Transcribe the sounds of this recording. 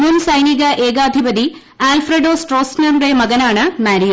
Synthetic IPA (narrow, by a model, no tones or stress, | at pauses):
munsɐjniɣɐʔeːɡaːd̪ʱibɐd̪i | aːlfreɖoːsʈroːsnɐrɖemɐɣɐnaːɳɨmaːɾiju